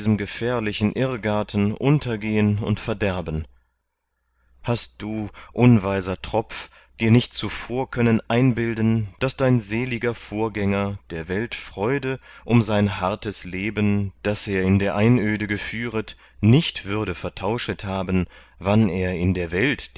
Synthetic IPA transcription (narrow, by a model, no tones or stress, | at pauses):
zəmɡəfɛːɐlɪçn̩ʔɪʁɡaɐtʰn̩ʔʊntʰɐɡeːənʊ̰ntfɛɐdɛɐbən | hast̚d̥uːʔʊnvaɪzɐtʁ̥ɔpp͡f | d̥iːɐnɪçt̚t͡sufoːɐkʰœnənʔaɪnbɪldnd̥asd̥aɪnzeːlɪɡɐfoːɐɡɛŋɐd̥eːɐvɛltfʁ̥ɔʏdəʔʊmzaɪnɦaɐtəsleːbənd̥aseːɐɪndeːɐʔaɪnʔøːdəɡəfyːʁət | nɪçtv̥ʏɐdəfɛɐtʰaʊʃəthaːbən̩ | vaneːɐɪndeːɐvɛlt